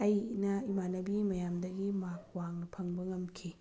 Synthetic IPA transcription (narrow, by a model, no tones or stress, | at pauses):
ɐjnɐimanɐbimɐjamdɐɡimak̚waŋnɐpʰɐŋbɐŋɐmkʰi